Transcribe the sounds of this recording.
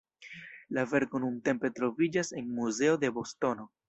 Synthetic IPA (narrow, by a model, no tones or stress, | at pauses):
lave̞ɾko̞nunte̞mpe̞tɾo̞vid͡ʒase̞nmuze̞o̞d̪e̞bo̞sto̞no̞